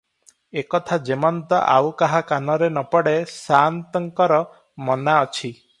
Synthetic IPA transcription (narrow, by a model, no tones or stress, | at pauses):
ekɔt̪ʰad͡ʒemɔnt̪ɔʔa̰wkaɦakanɔɾenɔpɔɽesant̪ɔŋkɔɾɔ | mɔnaɔt͡ʃʰi